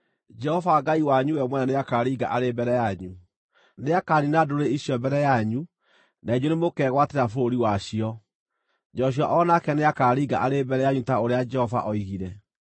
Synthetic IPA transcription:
d͡ʒɛhɔvaɡaiwaɲuwɛmwɛnaneakaɾiːɡa̰ʔaɾebɛɾɛjaɲu | neakaɾinadoɾeiɕjɔbɛɾɛjaɲu | naid͡ʒonemokɛɣwateɾafoɾoɾiwaɕiɔ | d͡ʒɔɕ̬iɔʔɔnakɛneakaːɾiɡa̰ʔaɾebɛɾɛjaɲutaoɾead͡ʒɛhɔva̰ʔɔiɣiɾɛ

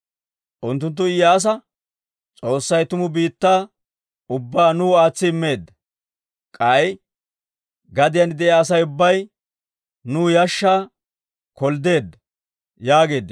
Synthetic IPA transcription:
ʔʊnt̪ːʊnt̪̬ːʊɪjːɐːs̬ɐ | t͡sʼo̞ːsːɐjt̪ʊmʊbiːt̪ːaː | ʊbːaːnuːaːt͡sːɪɪmːe̞ːd̪ːɐ | kʼɐj | ɡɐd̪ɪjɐnd̪ɛjaːs̬ɐjʊbːɐj | nuːjɐʃːaː | kɔld̪e̞ːd̪ɐ | jaːɡe̞ːd̪ː

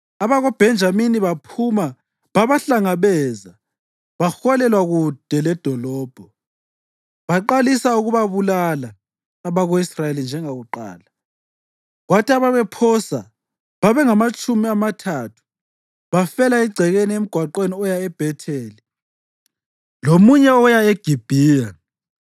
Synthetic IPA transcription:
aβaɣɔb̥ʱɛnd͡ʒʱaminiβapʰuma | βaβaɬaŋaβɛːza | βaxɔlɛlwaɣud̥ʱɛlɛd̥ʱɔlɔːb̥ʱɔ | βaǃalisauɣuβaβulalaː | βaɣoisrajelind͡ʒʱɛŋaɣuǃa̰ːla | ɣwatʰaβaβɛpʰɔsa̰ | βaβɛŋamat͡ʃʼumiamatʰatʰu̥ | βafɛlaiɡ͡ǀʱɛɣeniem̩ɡ̥ʱwaǃweniɔjaɛb̥ʱɛtʰeːli | lomuɲɛɔjaeɡ̥ʱib̥ʱiːja

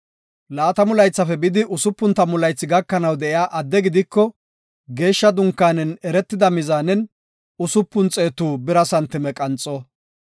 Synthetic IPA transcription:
laːt̪ɐmʊlɐjt͡sːɐfɛbɪd̪ɪʔʊsʊpːʊnt̪ːɐmʊlɐjt͡sːɪɡɐkːɐnɐwd̪ɛʔɪjaːʔɐd̪ːɛɡɪd̪ɪkːɔ | ɡe̞ːʃːɐd̪ʊŋkːaːnɛnɛɾɛt̪ːɪd̪ɐmɪzaːnɛn | ʊsʊpːʊnt͡sʼe̞ːt̪uːbɪɾɐsɐnt̪ːɪmɛkʼɐnt͡sʼːɔ

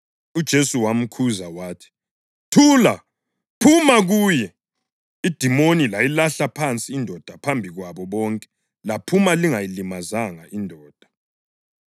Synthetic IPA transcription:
ud̥ʒ̥ʱesuwam̩kʰuzawaːtʰi̥ | tʰuːla | pʰumaɣuːjɛ | id̥ʱimonilajilaɬapʰant͡sʼiːndʱɔd̥ʱapʰambʱiɣwaβɔβɔːŋkʼɛ̥ | lapʰumaliŋajilimazaŋaʔindʱɔːd̥ʱa

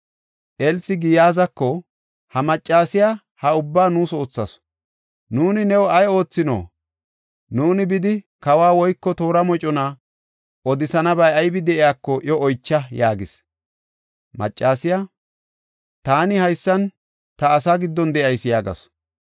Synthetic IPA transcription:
ʔɛlsɪɡɪjaːzɐkːɔ | hɐmɐt͡ʃʼːaːsɪja | hɐʊbːaːnuːso̞ːt͡sːɐs | nuːnɪnɛwɔɐjo̞ːt͡sːɪno̰ː | nuːnɪbɪd̪ɪ | kɐwaːwɔjkːɔt̪o̞ːɾɐmɔt͡ʃʼɔna | ʔɔd̪ɪsɐnɐbɐjɐjbɪd̪ɛʔɪjaːkːɔʔɔʔɔjt͡ʃːɐjaːɡɪs | mɐ̰t͡ʃʼːaːsɪja | t̪aːnɪhɐjsːɐn | t̪ɐːsaɡɪd̪ːɔnd̪ɛʔɐjsːɪjaːɡɐ̰s

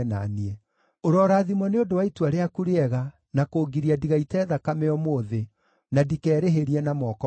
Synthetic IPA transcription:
na̰niɛ | oɾɔːɾaːðimɔneodowaituaɾeakuɾeɛɣa | nakoːɡiɾiadiɣaitɛːðakamɛɔmoðe | nadikɛːɾeɦeɾiɛnamɔkɔ

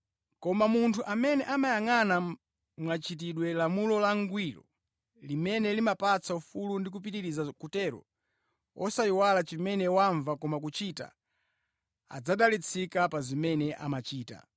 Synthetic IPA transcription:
kɔmamuntʰuʔamɛnɛʔamajaŋana | mwat͡ʃit̬iɗwɛlamulɔlaŋɡwilɔ̰ | limɛnɛlimapat͡sʰaufulundik̬upitiɾizakutɛɾɔ̰ | ɔsaiwalat͡ʃimɛnɛwaɱvakɔmak̬ut͡ʃita̰ | a̰d͡zaɗalit͡sʰikapazimɛnɛʔa̰mat͡ʃiːta̰

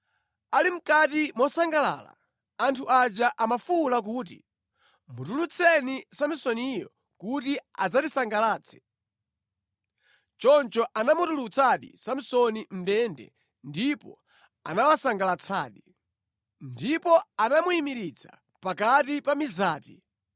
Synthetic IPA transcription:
alim̩katimɔsaŋɡala̰ːla̰ː | ntʰuʔad͡ʒaʔamafulak̬uːtḭ | mutulut͡sʰɛnisamisɔnijɔ | kutiad͡zatisaŋɡalaːt͡sʰɛ̥ | t͡ʃɔnt͡ʃɔʔanamutulut͡sʰaɗḭsamisɔnim̩dɛndɛ̰ | ndipɔ̰ | a̰nawasaŋɡalat͡sʰa̰ːɗi | ndipɔanamuimiɾit͡sʰa̰ | pakatipamizaːti

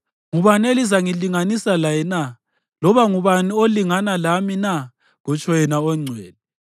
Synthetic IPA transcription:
ŋuβanelizaŋiliŋanisalajɛna | lɔβaŋuβanioliŋanalamina | ɣɔt͡ʃʼʰɔjɛnaɔŋ͡ǀʱwɛːnɛ

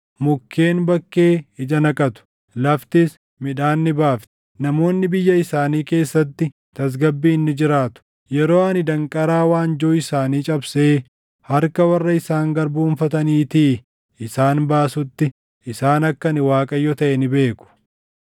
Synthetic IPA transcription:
mʊkʰːe̞ːnbɐkːe̞ːɪd͡ʒɐnɐkʼɐt̪ʊ̥ | lɐft̪ɪs | mɪᶑaːnːɪbaːft̪ɛ̥ | nɐmo̞ːnːɪbɪjːɐɪsaːniːke̞ːsːɐt̪ːɪ | t̪ɐs̬ɡɐbːiːnːɪd͡ʒɪɾaːt̪ʊ̥ | jɛɾoːɐnɪd̪ɐŋkʼɐɾaːwaːnd͡ʒoːɪsaːniːt͡ʃʼɐbseː | hɐɾkɐwɐrːɐɪsaːŋɡɐɾbuːnfɐt̪ɐniːt̪ɪ | ʔɪsaːnbaːsʊt̪ːɪ | ʔɪsaːnɐkːɐnɪwaːkʼɐjɔt̪ɐʔɛnɪbe̞ːkʊ̥

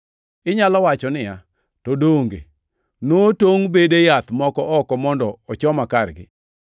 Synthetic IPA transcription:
ɪɲalɔwat͡ʃɔnɪja | todoŋɡḛ | notoŋbedejat̪mɔkɔʔɔkɔmɔndɔɔt͡ʃɔmakarɡɪ̰

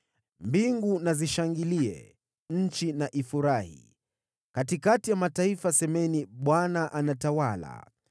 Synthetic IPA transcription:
mbiŋɡunaziʃaŋɡiliɛ̰ | ɲ̩t͡ʃinaʔifuɾahḭ | katikatijamataifasɛmɛniɓwanaʔanatawala̰

